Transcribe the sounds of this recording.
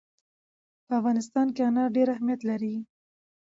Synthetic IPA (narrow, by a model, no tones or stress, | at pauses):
pəafɣɑnɪst̪ɑnkeanɑɖeɾahmijat̪laɾi